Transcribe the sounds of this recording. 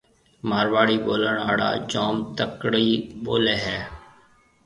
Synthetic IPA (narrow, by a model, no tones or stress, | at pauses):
maːɾʋaːɽiːɓoːləɳa̰ːɽa̰ːd͡ʒaːmt̪əkɽiːɓoːleːɦɛː